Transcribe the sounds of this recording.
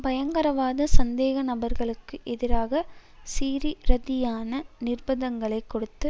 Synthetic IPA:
bɐjɐŋɡɐɾɐʋaːðɐsɐnd̪eːɣɐnɐbɐɾɣɐɭɯkːɯʔɛðɪɾaːɣɐsiːɾiɾɐðɪjaːnɐnɪrbɐðɐŋɡɐɭɐɪkːɔɽɯt̪ːɯ

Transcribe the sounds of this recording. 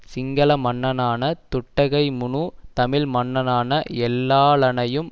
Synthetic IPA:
sɪŋɡɐlɐmɐɳːɐnaːnɐt̪ʊʈːɐɣɐɪmʊɳut̪ɐmɪlmɐɳːɐnaːnɐɛlːaːɭɐnɐjɯm

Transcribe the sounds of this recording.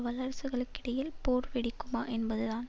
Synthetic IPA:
ʋɐlɐɾsɯɣɐɭɯkːɪɽɐjɪlpoːɾʋɪɽɪkːɯmaːʔɛnbɐðɯðaːn

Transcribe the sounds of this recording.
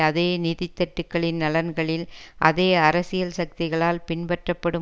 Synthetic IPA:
ɐðeːniðɪt̪ːɐʈːɯkːɐɭɪnnɐlɐnɡɐɭɪlʔɐðeːɐɾɐsɪjɐlsɐk̚t̪ɪɣɐɭaːlpɪɳpɐʈrɐpːɐɽɯ

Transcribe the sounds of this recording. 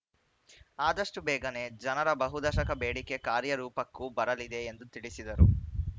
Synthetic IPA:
aːd̪ɐʂʈubɛːɡɐne̞ːd͡ʒɐnɐɾɐbɐɦud̪ɐʃɐkɐbeːɽike̞kaːɾjɐɾuːpɐkːubɐɾɐlid̪e̞ːnd̪ut̪iɭisid̪ɐɾu

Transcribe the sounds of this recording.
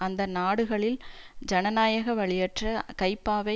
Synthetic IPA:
ɐnd̪ɐnaːɽɯɣɐɭɪl | d͡ʒɐnɐnaːjɐɣɐʋɐɭɪjɐʈrɐkɐɪpːaːʋɐ

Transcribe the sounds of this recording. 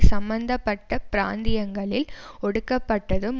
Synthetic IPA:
sɐmbɐnd̪ɐpːɐʈːɐpɪɾa̰ːnd̪ɪjɐŋɡɐɭɪlɔɽɯkːɐpːɐʈːɐðɯm

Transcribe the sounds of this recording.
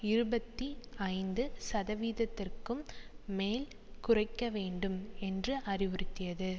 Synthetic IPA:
ɪɾɯbɐt̪ːiɐɪnd̪ɯsɐðɐʋiːðɐt̪ːɪrkɯmːeːl | kʊrɐɪkːɐʋeːɳɖɯmɛndrɯʔɐrɪʋɯrɪt̪ːɪjɐðɯ

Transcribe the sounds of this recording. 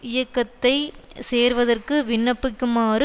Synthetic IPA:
ɪjɐkːɐt̪ːɐɪseːɾʋɐðɐrkɯʋɪɳːɐpːɯkːɯmaːrɯ

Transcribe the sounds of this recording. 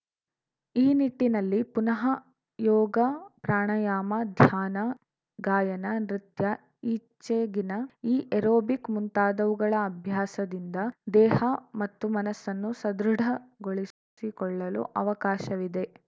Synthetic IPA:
iːniʈːinɐlːipunɐɦɐ | jɔːɡɐpɾaːɳɐjaːmɐd̪ʱjaːnɐ | ɡaːjɐnɐnɾit̪jɐ | iːt͡ʃːeːɡinɐiːʔeɾoːbikmunt̪aːd̪ɐʋuɡɐɭɐːbʱjaːsɐd̪ind̪ɐd̪ɛːhɐmɐt̪ːumɐnɐsːɐnːusɐd̪ɾuɖʱɐɡoɭi | ikɔɭːɐlṵʔɐʋɐkaːʃɐʋid̪e̞

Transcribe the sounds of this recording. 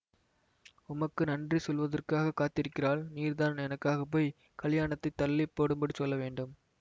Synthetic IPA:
ʊmɐkːɯnɐndrisɔlʋɐðɐrkaːɣɐkːaːt̪ːɪɾɯkːɪraːlniːɾðaːnɛnɐkːaːɣɐp̬ːoːɪ | kɐɭjaːɳɐt̪ːɐɪt̪ːɐlːɪpːoːɽɯmbɐɽisɔlːɐʋeːɳɖɯm

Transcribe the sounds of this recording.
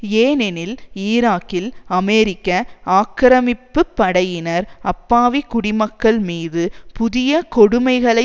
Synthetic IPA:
eːnɛnɪliːɾaːkːɪlɐmɛːɾɪkːɐaːkɾɐmɪpːɯpːɐɽɐjɪnɐɾɐpːaːʋikʊɽɪmɐkːɐɭmiːðɯpʊðɪjɐkɔɽɯmɐɪɣɐɭɐɪ

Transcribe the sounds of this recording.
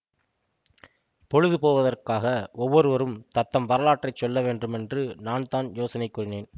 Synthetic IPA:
pɔɻɯðɯpoːʋɐðɐrkaːɣɐɔʋːɔɾɯʋɐɾɯmt̪ɐt̪ːɐmʋɐɾɐlaːʈrɐɪt͡ʃːɔlːɐʋeːnɖɯmɛndrɯnaːnt̪aːnjoːsɐnɐɪkːuːrɪneːn

